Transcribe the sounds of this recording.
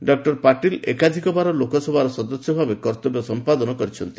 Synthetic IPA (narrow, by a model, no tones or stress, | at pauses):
ɖɔk̚ʈɔɾpaʈilḛkad̪ʱikɔbaɾɔlokɔsɔbʱaɾɔsɔd̪ɔsjɔbʱabekɔɾt̪ɔbjɔsɔmpad̪ɔnɔkɔɾit͡ʃʰɔnt̪i